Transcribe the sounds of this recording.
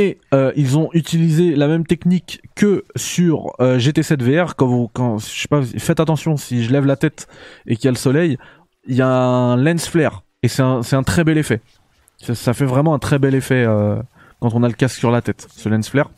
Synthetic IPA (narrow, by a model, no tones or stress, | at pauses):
eøilzɔ̃ʔyt̪ilizelamɛmt̪ɛknikːəsyʁøʒet̪esɛt̪veɛʁkɑ̃vukɑ̃sʃe̥pasifɛt̪at̪ɑ̃sjɔ̃siʒəlɛvlat̪ɛt̪ekjaləsɔlɛj | jaɛ̃lɛ̃nsflɛʁ | esɛt̪ɛ̃sɛt̪ɛ̃t̪χɛbɛlefɛ | sasafɛvʁɛmɑ̃ɛ̃t̪χɛbɛlefɛø | kɑ̃t̪ɔ̃naləkassyʁlat̪ɛt̪səlɛ̃nsflɛʁ